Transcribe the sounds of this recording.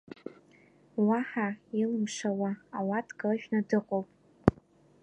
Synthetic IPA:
waħailɨmʂawaːwatʰʼɡarʒᶣnadɨqʼowpʼ

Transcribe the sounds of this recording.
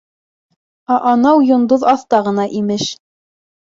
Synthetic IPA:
ɑʔɑnɑwjŏnd̪oðɑθt̪ɑʁɤ̆nɑʔimɘʃ

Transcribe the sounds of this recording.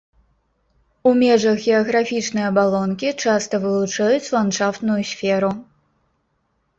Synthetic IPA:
umʲɛʐɐxɣʲɛɐɣɾafʲit͡ʂnɨjɐbalˠɔnkʲit͡ʂast̪ɐvɨlˠut͡ʂajut͡sʲlˠanʂaft̪nujusʲfʲɛɾu

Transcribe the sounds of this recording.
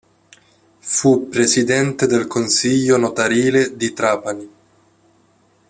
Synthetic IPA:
fupːɾesid̪ɛnt̪ed̪elkonsiʎːonot̪aɾiːled̪it̪ɾaːpani

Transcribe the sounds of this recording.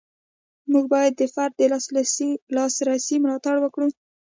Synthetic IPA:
muɡ̚bɑjad̪ːəfaɾd̪̚ːəslɑsɾasimʊlɑt̪aɽwəkɽu

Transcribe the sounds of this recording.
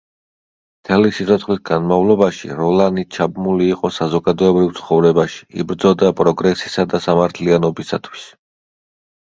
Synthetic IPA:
mt̪ʰɛlisit̪sʰɔt̪χlisɡanmavlˠɔbaʃḭɾɔlanit͡ʃʰabmuliːqʼɔsazɔɡad̪ɔɛbɾivt̪sʰχɔvɾɛbaʃi̥ḭbɾd̪zɔd̪apʼɾɔɡɾɛsi̥sad̪asamaɾt̪ʰlianɔbisat̪ʰwi̥s

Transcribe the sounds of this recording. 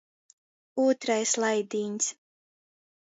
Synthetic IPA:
uːt̪ɾajslˠajd̪iːɲs

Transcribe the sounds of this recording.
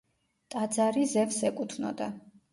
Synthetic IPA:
t̪ʼad̪zaɾizɛvsɛkʼut̪ʰvnɔ̰d̪a

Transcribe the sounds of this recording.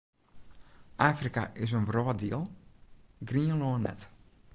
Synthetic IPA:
ʔaːfrika̰ʔɪs̬ənʋrɔːdiəlˠ | ɡriənloənːɛ̰t

